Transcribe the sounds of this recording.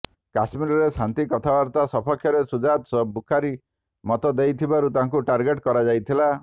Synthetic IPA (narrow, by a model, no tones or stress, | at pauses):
kasmiɾɔɾesant̪ikɔt̪ʰabaɾt̪asɔpʰɔkʰjɔɾesud͡ʒat̪sɔbukʰaɾi | mɔt̪ɔd̪ejt̪ʰibaɾut̪aɦãŋkuʈaɾɡeʈkɔɾad͡ʒajt̪ʰila